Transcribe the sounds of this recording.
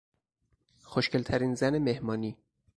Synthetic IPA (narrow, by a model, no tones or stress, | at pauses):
xoʃcʰe̞lt̪ʰæɾiːnzænemehmɒːniː